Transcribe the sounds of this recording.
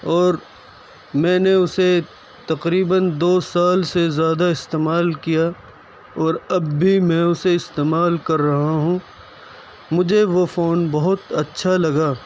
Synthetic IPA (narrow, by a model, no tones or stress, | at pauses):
ɔːɾ | mɛ̃ːneʊse | t̪ɐqɾiːbənd̪oːsaːlsezjaːd̪aɪst̪eːmaːlkija | ɔːɾɐbːʱimɛ̃ːʊseɪst̪eːmaːlkɐɾːɐɦaɦũ | mʊd͡ʒʱeʋofoːnbɐɦʊt̪ɐtːʃʰalɐɡaː